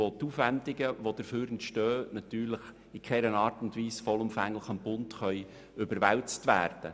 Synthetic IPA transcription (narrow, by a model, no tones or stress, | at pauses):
ot̪uːfʋændɪɡəʋod̥̪əɾføːɾɛntʃtœːnɑtyːɾləχ | ikχɛɾənɑːrtʊndʋiːsfɔlʊmfæŋləχənbʊntχœʏ | ʏbəɾʋɛwt͡stʋæ̰ːrd̥ə̰